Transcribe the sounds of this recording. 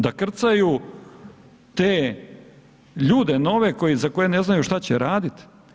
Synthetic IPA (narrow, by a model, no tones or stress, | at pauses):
d̪akr̩t̪sajuː | t̪eː | ʎuːd̪eno̞ʋe̞ko̞jizako̞je̞neznajuʃt̪at͡ɕeɾaːd̪it̪